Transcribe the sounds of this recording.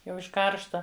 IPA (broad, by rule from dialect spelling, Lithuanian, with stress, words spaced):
ˈjɛʊ ɪʃ ˈkɐrʃtɐ